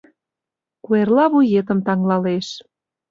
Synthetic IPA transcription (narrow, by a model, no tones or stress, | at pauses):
kuerlɑβujet̪əmt̪ɑŋlɑleʃ